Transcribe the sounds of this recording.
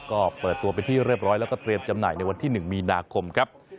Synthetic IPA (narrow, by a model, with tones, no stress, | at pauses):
kɔː˥˩pɤː˨˩t̪ːu˧ɐpa˧nt̪ʰiː˥˩ɾi˥˩p̚ɾɔː˦˥lɛ˦˥wkɔː˥˩t̪ɾi˧əmt͡ɕa˧mna̰ː˨˩jna˧jwa˧nt̪ʰiː˥˩nɯ˨˩ŋmiː˧naː˧kʰo˧mkʰɾa˦˥p̚